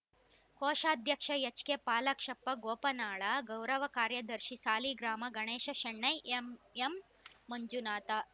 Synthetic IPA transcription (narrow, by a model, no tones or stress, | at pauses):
koːʃaːd̪ʱjɐkʂɐjɐt͡ʃkepaːlɐkʂɐpːɐɡoːpɐnaːɭɐɡɐwɾɐʋɐkaːɾjɐd̪ɐɾʃisaːliːɡɾaːmɐɡɐɳeːʃɐʃɐɳːɐjʔememː | ɐɲd͡ʒunaːt̪ɐ